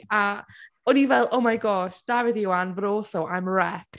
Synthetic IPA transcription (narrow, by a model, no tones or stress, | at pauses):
a | ɔnivɛlˠʔowmajɡɔʃd̥avɪðɪwanvɾoːθɔʔajmrɛk